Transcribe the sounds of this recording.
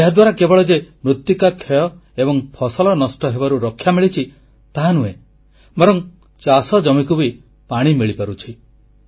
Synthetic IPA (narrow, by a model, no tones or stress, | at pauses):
eɦad̪waɾakebɔɭɔd͡ʒemɾut̪ːikakʰːejɔ | ebɔŋpʰɔsɔlɔnɔsʈɔɦebaɾuɾɔkʰːjamiɭit͡ʃʰi | t̪aɦanue | bɔɾɔŋ | t͡ʃasɔd͡ʒɔmikubi | paɽ̃imiɭipaɾut͡ʃʰi